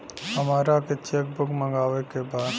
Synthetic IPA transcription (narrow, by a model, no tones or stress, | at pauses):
ɦəmaːɾaket͡ʃek̚bʊkmə̃ŋɡaːʋekebaːd̪